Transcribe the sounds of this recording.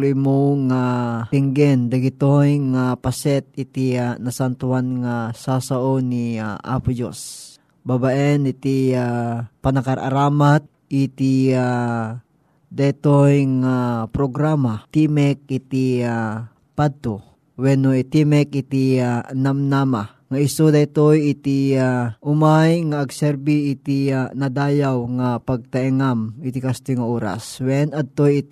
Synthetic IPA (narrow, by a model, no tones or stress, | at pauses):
lumoŋaiŋɡɛnd̪aɡit̪ojŋapasɛt̪̚it̪ianasant̪uanŋasasaoniaʔa̰pud͡ʒo̰s | babaʔɛnit̪iapanakaɾʔa̰ɾamat̪̚ | it̪ia | d̪ait̪ojŋapɾoɡɾamat̪imɛk̚ɪt̪ia | pad̪̚t̪o | wɛnoit̪imɛk̚ʔit̪ianamnama | ŋaʔɪsod̪at̪ojɪt̪iaʔʊmajŋaʔːɡsɛɾbiɪt̪ianɐd̪aːjawŋapɐɡ̚t̪aʔɛŋamɪt̪ikast̪ojŋaʔoːɾa̰swɛnɐd̪̚t̪ojɪt̪